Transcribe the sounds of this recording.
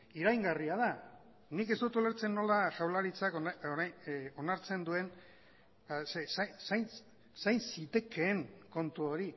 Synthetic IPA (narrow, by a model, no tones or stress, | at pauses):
iɾajŋɡariað̞a | nike̞zd̪ut̪uleɾt͡se̞nːo̞laʝawlaɾit͡sakooɾajo̞naɾt͡se̞nd̪ue̞n | asesajsajn | sajnsit̪e̞ke̞ːŋko̞nt̪uo̞ɾi